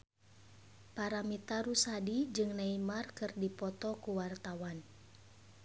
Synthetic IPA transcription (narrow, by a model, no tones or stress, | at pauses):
paɾamit̪aɾusadid͡ʒɨŋnaimarkɨrdipɔt̪ɔkuwart̪awan